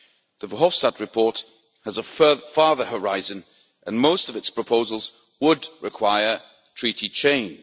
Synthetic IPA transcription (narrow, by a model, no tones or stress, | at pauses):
ðəvəɦɔfstəd̚ɹɨpʰɔɹt | həzəfɜðəfɑːðəhə˞aɪzə̃n | ʔə̃nmoʊstʌvɨtspʰɹ̥əpʰoʊzəlˠz | wədɹɪkʰw̥aɪə | tʰɹ̥iˑɾʰit͡ʃʰẽɪ̃n